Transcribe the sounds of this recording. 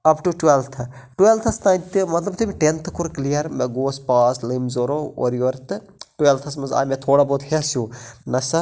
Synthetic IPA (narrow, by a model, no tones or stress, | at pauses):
ɐpʈuʈʋelt̪ʰ | ʈuelt̪ʰɐst̪ãːnt̪ɨmɐt̪lɐbt̪ibiʈent̪ʰkuɾklijɐɾmeɡoːspaːslimzoːɾoo̰ɾjoːɾt̪ɨ | ʈʋelt̪ʰɐsmɐza̰ːjmet̪ʰoːɽaboːt̪hesjuːnɐsɐ